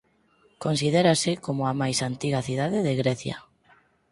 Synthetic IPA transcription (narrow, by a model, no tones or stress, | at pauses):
konsið̞eɾasɪkomʊamajsant̪iɣaθiðaðɪðeɣɾɛθja̰